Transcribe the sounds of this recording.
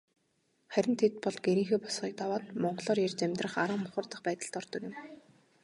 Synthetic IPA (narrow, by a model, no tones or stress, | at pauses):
χæɾʲɪ̆nt̪ʰet̪̚pɔɮɡeɾiːŋxeːpɔ̥sχiːk̚t̪awaːt̪mɔɴɢɞ̆ɮɔːɾjert͡ɕæmʲt̪rə̆χaɾə̆ŋmʊχə̆rt̪ə̆χpæːt̪ə̆ɬt̪ɔrt̪ɞ̆kjʊ̆m